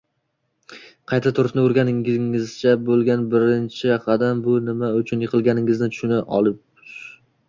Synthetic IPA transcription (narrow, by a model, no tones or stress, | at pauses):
qʰɑjt̪ʰat̪ʰʊɾɪʃnɪʊɾɡʲanɪŋɪŋɪzt͡ʃʰabolˠɡʲanbɪɾɪnt͡ʃʰɪqʰɑd̪ambʊnɪmaʊt͡ʃʰʊnjɪqʰɨlˠɡʲanɪŋɪznɪt̪ʰʊ̥ʃʊnaʔɒ̰lˠɪp̚